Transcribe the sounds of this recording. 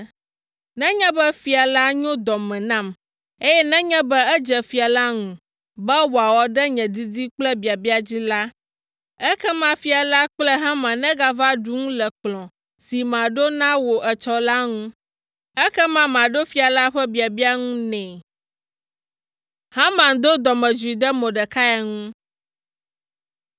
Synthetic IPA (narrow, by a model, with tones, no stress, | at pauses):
nɛ̃˦ɲɛ̃˦bɛ˦fi˨a˨la˦ɲɔ̃˦d̪ɔ˨mɛ̃˨nã˦˨m | e˦jɛ˦nɛ̃˦ɲɛ̃˦bɛ˦ɛ˦d͡ʒɛ˨fi˨a˨la˦ŋũ˨ | bɛ˦wo˨a˨wɔ˨ɖɛ˦ɲɛ̃˨d̪i˦di˦k͡plɛ˦bi˨a˨bi˦a˨d͡ʑi˦la˦ | ɛ˦kɛ˦mã˦fi˨a˨la˦k͡plɛ˦ɦã˦mã˨nɛ̃˦ɡa˦va˦ɖu˦ŋũ˦lɛ˨k͡plɔ̃˨ | si˨mã˨ɖo˦nã˦wo˨ʔɛ˨t͡ʃɔ˨la˦ŋũ˦ | ɛ˦kɛ˦mã˦mã˨ɖo˦fi˦a˨la˦ɸɛ˦bi˨a˨bi˦a˦ŋũ˦nɛ̃˨ | hã˦mã˨ŋ˨d̪o˦d̪ɔ˨mɛ̃˨d͡ʒu˨i˨d̪ɛ˦mõ˨ɖɛ˨ka˦ja˨ŋũ˦